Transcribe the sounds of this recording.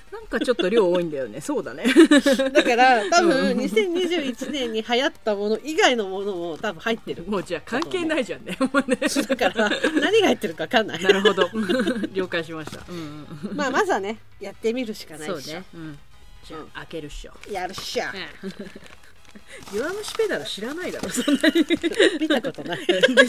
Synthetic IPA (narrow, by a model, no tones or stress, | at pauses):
nãŋkat͡ɕo̞t̪ːoɾʲo̞ːoːĩnd̪ajoneso̞ːd̪aned̪akaɾat̪abɯ̟̃ɲ̟isẽ̞ɲ̟ːiʑɨːit͡ɕinẽ̞ɲ̟ːihajat̪ːamo̞no̞ʔiɡaino̞mo̞no̞mo̞t̪abɯ̃hait̪ːe̞ɾɯ̟moːd͡ʑaːkãŋke̞ːnaiʑãnːemoneakaɾanaɲ̟iɡahait̪ːe̞ɾɯ̟kaβakãnːa̰inɾɯ̟ɦo̞d̪oɾʲo̞ːkaiɕimaɕi̥t̪a̰ɯ̃maːmazane̞ | jat̪ːe̞mʲiɾɯ̟ɕi̥kanaõ | ã̰akeɾɯ̟ɕo̰jaɾɯ̟ɕa | iβanoɕi̥ped̪aɾɯɕiɾanaid̪aɾosonːaɲimʲit̪ako̞t̪o̞nai